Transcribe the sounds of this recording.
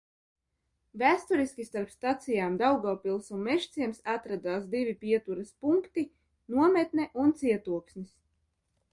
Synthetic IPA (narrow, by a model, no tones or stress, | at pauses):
væːst̪uɾiskʲist̪aɾpst̪at̪sijaːmd̪awɡɔːpilˠsunmɛʃt̪siɛmsat̪ɾad̪aːsd̪ivipiɛt̪uɾɐspuŋkt̪i | nuɔmet̪nɛʔunt̪siɛt̪uɔksnis